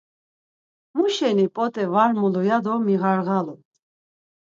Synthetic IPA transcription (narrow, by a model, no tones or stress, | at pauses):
muʃɛnipʼɔt̪ʼɛvaɾmulɔjad̪ɔmiʁaɾʁalu